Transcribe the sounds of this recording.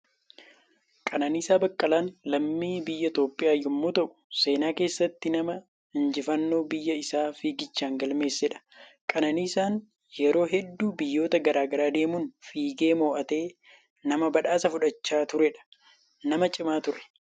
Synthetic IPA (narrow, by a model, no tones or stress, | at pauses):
kʼɐnɐniːsaːbɐkʼːɐlaːnlɐmːiːbɪjːɐt̪o̞ːpʼːɪjaːjːʊmːoːt̪ɐʔʊ̥se̞ːnaːke̞ːsːɐt̪ːɪnɐmɐ | ɪnd͡ʒɪfɐnːo̞ːbɪjːɐɪsaːfiːɡɪt͡ʃːaːŋɡɐlme̞ːsːɛᶑɐ̥kʼɐnɐniːsaːn | jɛɾo̞ːɦɛd̪ːuːbɪjːo̞ːt̪ɐɡɐɾaːɡɐɾaːd̪e̞ːmuːnfiːɡe̞ːmo̞ːʔɐt̪e̞ː | nɐmɐbɐᶑaːsɐfʊᶑɐt͡ʃːaːt̪ʊɾɛᶑɐ̥ | nɐmɐt͡ʃʼɪmaːt̪ʊɾɛ̥